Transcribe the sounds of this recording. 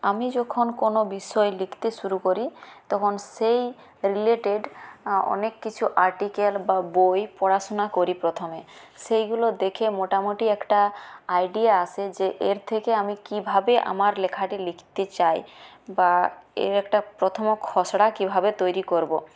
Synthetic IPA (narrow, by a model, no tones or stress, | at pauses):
amid͡ʑɔkʰonkonobiʃɔelikʰt̪eʃuɾukoɾit̪ɔkʰonsej | ɾileʈeɖɔ̰nekːit͡ɕʰuʔaɾʈikelbabojpɔɽaʃonakoɾipɾɔt̪ʰome | sejɡulod̪ekʰemoʈamoʈiɛkʈaajɖiaasʰed͡ʑeʔeɾt̪ʰekeamikibʱabeʔa̰maɾlekʰaʈilikʰt̪et͡ɕajbaḛɾɛkʈapɾot̪ʰomokʰːɔsɽakibʱabet̪ojɾikoɾbo